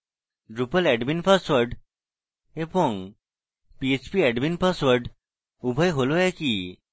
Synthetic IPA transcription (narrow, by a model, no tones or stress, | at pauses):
ɖɾupəlɛɖminpəsʋəɾɖ | ebɔŋ | piet͡ɕpiɛɖminpəsʋəɾɖ | ubʱəjɦolojɛki